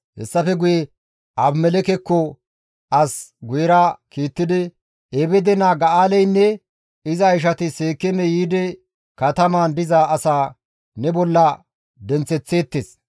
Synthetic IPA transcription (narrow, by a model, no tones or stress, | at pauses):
hɛ̰sːɐfɛɡʊjɛ | ɐbmɛlɛkɛkːɔ | ɐsɡʊjɛɾakiːt̪ːɪd̪ɪ | ɛbɛd̪ɛnaːɡɐaːlɛjnːɛ | ɪzɐɪʃ̬ɐt̪ɪseːkːɛmɛjiːd̪ɛ | kɐt̪ɐmaːnd̪ɪzaːɐsaː | nɛbɔlːɐ | d̪ɛnt͡sːɛt͡sːe̞ːt̪ːeːs